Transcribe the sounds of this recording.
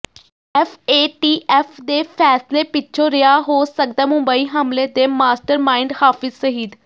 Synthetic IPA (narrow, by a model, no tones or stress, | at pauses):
ɛfʰeːʈiːʔʔɛːfʰd̪eːpʰɛːsleːpɪʃʰõːɾɪjaːɦoːsək̚d̪aːmʊmbəiːɦəmleːd̪eːmaːsʈəɾmaːɪɳɖhaːfɪzsəɦiːd̪